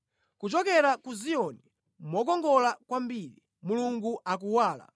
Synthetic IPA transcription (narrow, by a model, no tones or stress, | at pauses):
kut͡ʃɔkɛɾakuzijɔni | mɔk̬ɔŋɡɔlakwambiːɾi | muluŋɡuʔak̬uwaːla̰